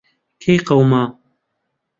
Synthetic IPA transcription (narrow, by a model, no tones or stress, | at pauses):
kʰejqɐwmaː